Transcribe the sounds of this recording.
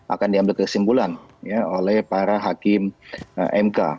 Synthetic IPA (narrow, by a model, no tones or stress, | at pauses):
ʔa̰kandiambɪlkəsimbulanjaolɛhpaɾaɦakɪmʔɛmka̰